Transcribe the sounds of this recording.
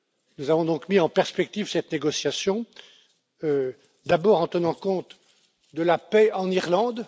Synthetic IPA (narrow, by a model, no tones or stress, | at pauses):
nuzavɔ̃d̪ɔ̃kmiɑ̃pɛʁspɛk̚t̪ivsɛt̪neɡɔsjasjɔ̃ | ø | d̪abɔːʁɑ̃t̪ənɑ̃kɔ̃t̪ | d̪əlapɛɑ̃niʁlɑ̃d̪